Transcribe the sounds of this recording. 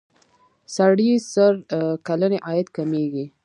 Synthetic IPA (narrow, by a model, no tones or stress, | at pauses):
saɽisəɾkaləneʔɑjat̪kameɡi